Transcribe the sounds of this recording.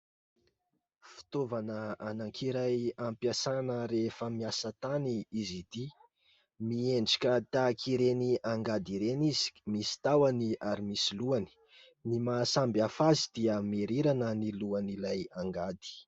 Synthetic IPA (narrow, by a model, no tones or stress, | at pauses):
fi̥t̪ovanəanaŋkʰiɾajampjasanəɾefəmiasət̪aniizid̪i | mieɳɖ͡ʐḁkʲət̪akʰiɾeniaŋɡad̪iɾenizi̥misi̥t̪awaniaɾimisiluani̥ | nimaːsambjafazid̪̥iəmeɾiɾanəniluanilajaŋɡad̪i̥